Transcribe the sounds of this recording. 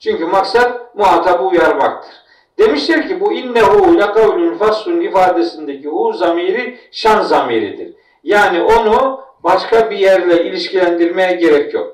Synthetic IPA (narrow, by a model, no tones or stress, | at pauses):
t͡ʃʰyɲcymaksat̪̚muɦat̪ʰabujaɾmakt̪ʰɯ̥ɾ̥ | d̪̥e̞miʃt̪iɾcʰibuinːɛɦulʲakʰaulʲynfaɾsunifaːd̪e̞sind̪ecihuːzamiːɾiʃanzamiɾḭd̪ḭɾ̥ | jaːniʔo̞nubaʃkʰabijæɾlʲɛilʲiʃcilʲænd̪iɾmejɛɟe̞ɾɛcʰjo̞̰k